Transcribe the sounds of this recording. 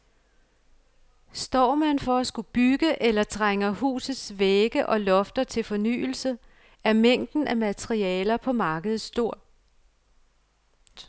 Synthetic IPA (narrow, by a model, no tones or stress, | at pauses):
sd̥ɒ̰ːmænfɒ̽æsɡ̥ub̥yɡ̥əʔelɐt͡sʰʁeŋɐhṵːsð̩ˠsʋeɡ̥əʔɒ̽lɒ̽fd̥ɐt͡sʰe̝lfɒ̽ny̰ːl̩sə | æɐmeŋ̰d̥n̩ʔæmæt͡sʰʁiɛ̰ːlɐpʰɒ̽mɑ̈ːɡ̥əð̩ˠsd̥o̝ɐ̰